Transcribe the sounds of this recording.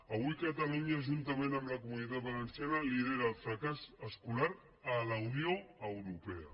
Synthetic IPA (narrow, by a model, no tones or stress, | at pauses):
əβujkat̪aluɲaʒunt̪əmẽnəmləkumunit̪at̪̚βalənsjanaliðeɾaːlˠfɾakazəskulaɾ | ələunioəwɾupɛə̰